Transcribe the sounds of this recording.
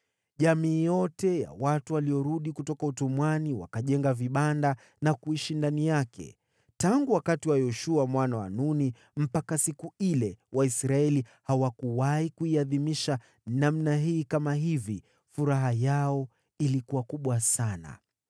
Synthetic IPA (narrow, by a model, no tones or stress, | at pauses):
ʄamiːjɔtɛja̰watuwaliɔɾuɗikutɔkautumwaniwa̰kaʄɛŋɡaviɓanda | nakuiʃindanijakʰɛ̰ | taŋɡuwakatiwajɔʃuamwanawa̰nuni | m̩pakasikuilɛwaisɾaɛlihawakuwaikuiaðimiʃa | namnaɦiːkamaɦivi | fuɾaɦajaɔ | ilikuakuɓwasana̰